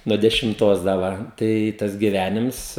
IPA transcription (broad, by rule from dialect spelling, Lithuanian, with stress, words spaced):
nʊ dʲɛʃʲɪmˈtoːs dɐ ˈʋɐ tɐɪ ˈtɐs ɡʲɪˈʋʲænʲɪms